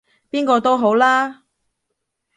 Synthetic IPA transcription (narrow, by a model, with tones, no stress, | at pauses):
piː˥nkɔː˧t̪o˥wɦo˨˥wlaː˥